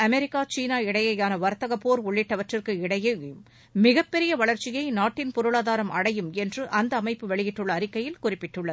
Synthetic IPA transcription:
ɐmɛɾɪkːaːt͡ʃiːnaːɪɽɐjɐjaːnɐʋɐɾt̪ɐɣɐpːoːɾʊɭːɪʈːɐʋɐʈrɪrkɯɪɽɐje | mɪɣɐpːɛɾɪjɐʋɐɭɐɾt͡ʃɪjɐɪnaːʈːɪnpʊɾɯɭaːðaːɾɐmʔɐɽɐjɯmɛndrɯʔɐnd̪ɐːmɐɪpːɯʋɛɭɪjɪʈːɯɭːɐːɾɪkːɐjɪlkʊrɪpːɪʈːɯɭːɐðɯ

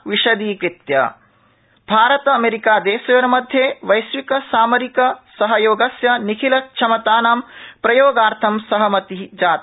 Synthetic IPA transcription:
ʋiʃɐd̪iːkɾit̪jɐ̰ | b̥ʱaːɾɐt̪ɐɐmeːɾikaːd̪eːsɐjɐɾɐmɐd̪ʱjeːʋɐjsʋikɐsaːmɐɾikɐsɐɦɐjoːɡɐsjɐnikʰilɐt͡ʃʰɐmɐt̪aːnaːmpɾɐjoːɡaːɾt̪ʰɐmsɐɦɐmɐt̪id͡ʒaːt̪

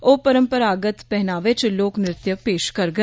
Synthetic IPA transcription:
oːpəɾə̃mpəɾaːɡət̪pɛɦnaːʋɪt͡ʃloːknɾɪt̪jəpeːʃkɐɾɡə

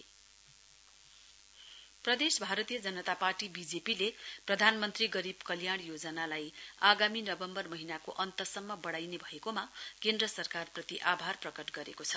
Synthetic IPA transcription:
prʌd̪esbʱaɾʌt̪ijʌd͡zʌnʌt̪aparʈibid͡zepileprʌd̪ʱanmʌnt̪riɡʌɾibkʌljaɽ̃jod͡zʌnalajaɡaminʌbʌmbʌrmʌɦinakoʔʌnt̪ʌsʌmːʌbʌɽajnebʱʌekomakend̪rʌsʌrkarprʌt̪iʔabʱarprʌkʌʈɡʌɾekot͡sʰʌ̥

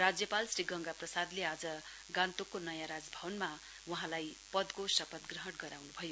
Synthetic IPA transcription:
rad͡zjʌpalsriɡʌŋɡaprʌsad̪lead͡zʌ | ɡãnt̪okːonʌjãɾad͡zbʱʌwʌnma | wuɦãlajpʌd̪kosʌpʌt̪ɡrʌɦʌʈɡʌɾawnubʱʌjo

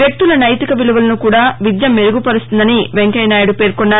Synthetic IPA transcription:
jek̚t̪ulɐnɐjt̪ikɐʋiluʋɐlɐnukuːɽaːʋid̪jɐmːeɾuɡupɐɾust̪und̪ɐniʋe̞ŋkɐjnaːjɐɽupe̞ːɾkonːaː

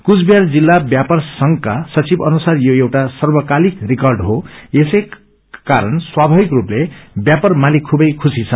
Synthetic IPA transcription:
kut͡sbjard͡zilːabjapʌrsʌŋkasʌt͡sibʌnusarjoewʈasʌrbʌkalikrikʌrɖɦoesʌj | kaɾʌnswabʱabikruplebjapʌrmalikʰubʌjkʰusit͡sʰʌn

